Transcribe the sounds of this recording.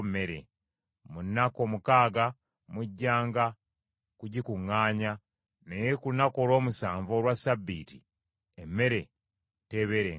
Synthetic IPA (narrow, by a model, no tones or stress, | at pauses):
me̞ɾḛ | munːako̞mukaːɡa | muɟːaːŋɡa | kuɟikuŋːaːɲa | nejekunako̞lo̞ːmusaːɱvo̞ɾwasabːiːti | emːe̞ɾe̞ | te̞βeɾe